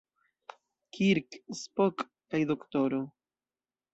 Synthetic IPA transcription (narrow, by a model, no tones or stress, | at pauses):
kiɾkspokː | ajdo̞ktoɾo